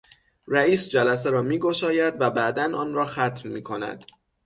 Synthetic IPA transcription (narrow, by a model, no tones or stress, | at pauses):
ɾæiːsd͡ʒælæs̬eɾɒːmiːɡo̞ʃɒːjæd̪væbæʔd̪ænɒːnrɒːxæt̪ʰmmiːkʰo̞næ̰d̪̥